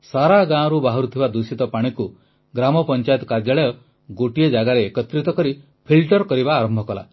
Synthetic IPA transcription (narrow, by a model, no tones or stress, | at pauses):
saɾaɡãɔ̃ɾubaɦɔɾut̪ʰibad̪usit̪ɔpaɽ̃iku | ɡɾamɔpɔnt͡ʃajt̪ɔ̥kaɾd͡ʒaɭɔjɔ | ɡoʈijed͡ʒaɡaɾeːkɔt̪ɾit̪ɔkɔɾi | pʰilʈɔɾkɔɾibaːɾɔmbʱɔkɔla̰